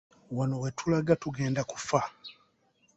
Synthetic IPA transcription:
wano̞we̞tʰulaɡatuɡe̞ːndaku̥fa

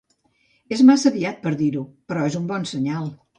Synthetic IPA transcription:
ezmasəβiat̪̚pəɾðiɾupəɾɔezumbɔnsəɲalˠ

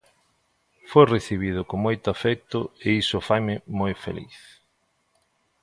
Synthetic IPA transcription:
fojreθiβ̞ið̞ʊkoŋmojt̪ʊafɛk̚t̪ʊeisʊfajmɪmojfḛlḭθ

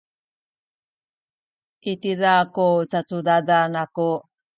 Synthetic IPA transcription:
ʔitiɾakut͡sat͡sudadanaku

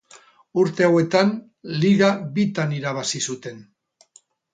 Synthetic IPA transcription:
uɾt̪e̞owe̞t̪an | liɣaβit̪aniɾaβ̞asisut̪e̞n

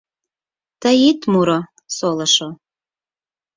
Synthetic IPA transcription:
t̪əjit̪muɾo | solɤʃo

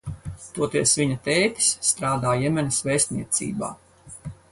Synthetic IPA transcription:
t̪uɔt̪iɛsvʲiɲɐt̪ɛjkʲsːt̪ɾaːd̪aːjɛmʲɛnɐsvɛːst̪niɛt̪sḭːba̰ː

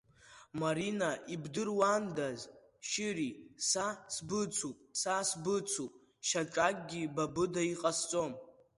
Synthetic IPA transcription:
maɾinaʔibdɨrwandaz | ʃɪɾisasbɨt͡sʰupʼsasbɨt͡sʷʰupʼ | ʃaʈ͡ʂʼakʼɡʲibabɨdaiqʼast͡sʷʼom

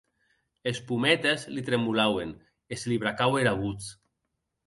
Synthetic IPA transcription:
espumɛt̪ezlit̪ɾemulawen | ezliβ̞ɾakaweɾaβ̞ut͡s

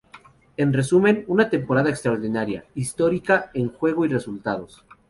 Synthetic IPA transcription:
e̞nre̞sume̞nunat̪e̞mpo̞ɾaðaekst̪ɾaoɾðinaɾja̰ist̪o̞ɾikaeŋxwe̞ɣoire̞sult̪aðo̞s

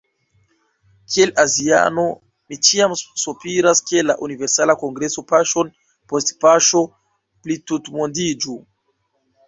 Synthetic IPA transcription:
kʰie̞lazia̰no̞ | mit͡ʃiamsupiɾaskelaʔunive̞ɾsalako̞ŋɡɾe̞so̞paʃo̞n | po̞stpaʃo̞ | plitutmondid͡ʒu

